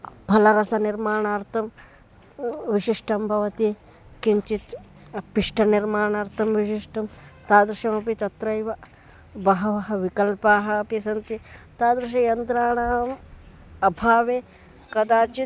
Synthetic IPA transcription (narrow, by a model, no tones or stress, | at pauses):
bʱɐlɐɾɐsɐniɾmaːɳaːɾt̪ʰɐm | ʋiʃiʂʈʰɐmbʱɐʋɐt̪i | kiɲt͡ʃit̪ | piʂʈɐniɾmaːɳaːɾt̪ʰɐmʋiʃiʂʈʰɐmt̪aːd̪ɾɐʃɐmɐpit̪ɐt̪ɾɐjʋɐ | bɐɦɐʋɐɦɐʋikɐlpaːɦɐːpisɐnt̪it̪aːd̪ɾɐʃ̬ɐjɐnt̪ɾaːɳaːm | ɐbʱaːʋe | kɐd̪aːt͡ʃi